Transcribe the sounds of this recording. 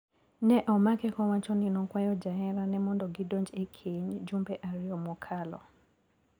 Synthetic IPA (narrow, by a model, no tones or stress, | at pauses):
nɛʔɔmakɛkɔwat͡ʃɔnɪnɔkwajɔd͡ʒaɛɾanɛmɔndɔɡɪdond͡ʒekʰeɲd͡ʒumbɛʔaɾɪɔmɔkʰalɔ̰